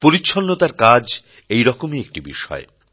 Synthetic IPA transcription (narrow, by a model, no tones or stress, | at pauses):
poɾiːɕʰonːot̪aɾkad͡ʑ | ejɾɔkomiek̚ʈibiʃɔ̰e